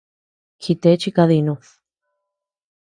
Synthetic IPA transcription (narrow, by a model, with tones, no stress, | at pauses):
kʰi˧t̪e˧˦t͡ʃi˦ka˧ði˧˨nũ˧